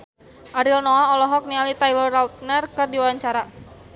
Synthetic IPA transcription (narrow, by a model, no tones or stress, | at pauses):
ʔaɾilnɔaɔlɔɦɔk̚nialit̪ajlɔrat̪̚nərkɨrdiwawaɲt͡ʃaɾa